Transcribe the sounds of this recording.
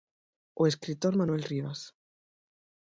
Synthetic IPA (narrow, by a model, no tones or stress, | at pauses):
oeskɾit̪oɾmanwe̞lriβas